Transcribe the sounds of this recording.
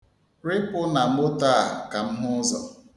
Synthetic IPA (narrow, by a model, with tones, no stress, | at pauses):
ɾɪ˦pʊ˦na˨m̩˦ʊ˦ta˦˨ka˨m̩˦mʊ˦zɔ̰˨